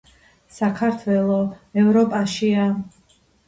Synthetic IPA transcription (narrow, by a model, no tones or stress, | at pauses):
sakʰaɾt̪ʰwɛlˠɔɛvɾɔpʼaʃia